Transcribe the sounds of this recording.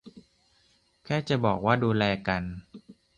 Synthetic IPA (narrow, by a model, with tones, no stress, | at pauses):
kʰɛː˥˩t͡ɕa˨˩bɔ̰ː˨˩k̚waː˥˩duː˧lɛː˧ka˧n